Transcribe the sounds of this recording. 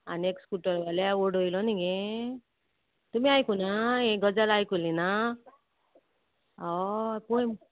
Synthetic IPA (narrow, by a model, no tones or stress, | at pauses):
a̰nekskuʈɔɾʋaleoɖojlɔniɡe | t̪umiajkunaẽɡʌd͡zalajkulina | ɔpuj